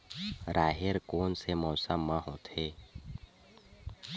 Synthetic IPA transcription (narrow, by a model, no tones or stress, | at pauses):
ɾaːɦeɾkoːnsemɔːsəmːəɦõt̪ʰeː